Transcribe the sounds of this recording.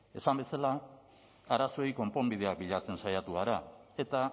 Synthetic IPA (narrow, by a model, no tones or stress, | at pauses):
e̞sambe̞sala | aɾaso̞jko̞mpo̞mbið̞e̞ak̚biʎat͡se̞nsajat̪uaɾae̞t̪a